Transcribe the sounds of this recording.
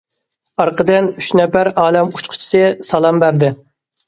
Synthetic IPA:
ɑɾqʰəd̪ɪnyʃnɛpæɾɑːlɛmu̥t͡ʃqʰʊ̥t͡ʃʰi̥sɨsɑlˠɑmbæɾd̪ɪ

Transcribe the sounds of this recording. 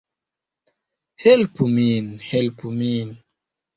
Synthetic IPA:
helpuminhelpumin

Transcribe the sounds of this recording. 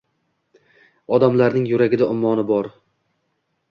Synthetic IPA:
ɒd̪amlaɾnɪŋjʊɾaɡʲɪd̪aʊmːɒnɪbɒɾ

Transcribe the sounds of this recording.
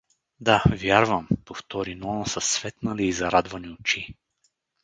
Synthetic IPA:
d̪avjaɾvɐmpoft̪ɔɾinɔnasɐsvɛt̪naliːzɐɾad̪vaniot͡ʃi

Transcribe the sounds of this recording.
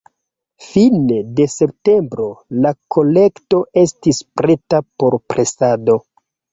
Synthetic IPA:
finede̞se̞p̚te̞mbɾo̞lakʰo̞le̞kto̞ʔe̞stispɾetapo̞ɾpɾʔe̞sado̞

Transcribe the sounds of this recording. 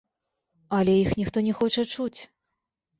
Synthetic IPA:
ɐlʲɛjixnʲixt̪ɔnʲɛxɔt͡ʂɐt͡ʂut͡sʲ

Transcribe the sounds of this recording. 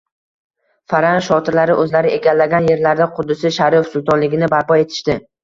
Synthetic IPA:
faɾanʃɒt̪ʰɪɾlaɾɪʔɵzlaɾɪʔe̞ɡʲalːaɡʲanje̞ɾlaɾd̪aqʰʊd̪ːɪsɪʃaɾiefsʊlˠt̪ʰɒnlɪɡʲɪnɪbaɾpɒe̞t̪ʰɪ̥ʃt̪ɪ

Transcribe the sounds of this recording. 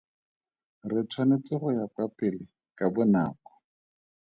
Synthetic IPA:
rɪt͡sʰwanet͡sɪχʊjapapʼɪlɪ | kʼabʊna̰ːkɔ̥

